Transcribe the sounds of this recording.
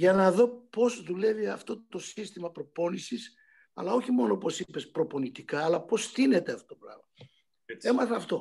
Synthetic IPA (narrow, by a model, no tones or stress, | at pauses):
ʝɐnɐðo̞po̞zðule̞viɐft̪o̞t̪o̞sist̪imɐpɾo̞po̞nisis | ɐ̰lɐo̞çimo̞noopo̞sipe̞spɾo̞po̞nit̪ikɐːlɐpo̞sθine̞t̪e̞ɐft̪ot̪opɾɐ̰ɣmɐ | e̞mɐθɐft̪o̞